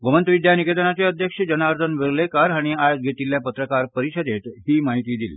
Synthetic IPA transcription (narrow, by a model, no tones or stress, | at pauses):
ɡomənt̪ʋid̪janiked̪ənat͡ɕeəd̪ʱjəkʂəd͡ʑənaɾd̪ʰʱənʋeɾlekaɾaɽ̃iajod͡ʑɡʱet̪iljapət̪ɾəkaɾpəɾiɕəd̪et̪ɦiːmaɦit̪iːd̪ḭːl